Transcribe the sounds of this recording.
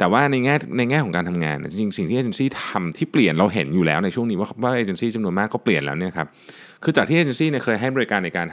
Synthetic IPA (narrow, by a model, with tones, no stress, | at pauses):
t̪ɛː˨˩waː˥˩na˧jŋɛː˥˩na˧jŋɛː˥˩kʰɔː˨˩˦ŋkaː˧nt̪ʰa˧mŋa̰ː˧nʔːt͡ɕi˧ŋt͡ɕi˧ŋsi˨˩ŋt̪ʰiː˥ʔe˧˩e˧siː˥˩t̪ʰa˧mt̪ʰiː˥˩pli˨˩ənɾa˧wɦe˩˦njuː˨˩lɛ̰ː˦˥wna˧jt͡ɕʰu˥˩ŋniː˦wa˥˩˥waː˥˩ʔeː˧˩t͡ɕe˧nsiː˥˩t͡ɕa˧mnu˧ənmaː˥˩kːɔː˥˩pli˨˩ənlɛː˦˥wni˥˩ɐkʰa˦˥p̚ | kʰɯː˧t͡ɕaː˨˩k̚t̪ʰiː˥ʔeː˧˩t͡ɕe˧nsiː˥˩ni˥ɐkʰɤː˧jɦa˥˩jbɔː˧ɾi˧˥kaː˧nːa˧jkaː˧n